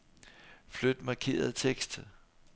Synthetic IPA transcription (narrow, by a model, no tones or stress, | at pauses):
flød̥mɑ̈kʰe̝̰ːɐð̞ˠt͡sʰeɡ̥sd̥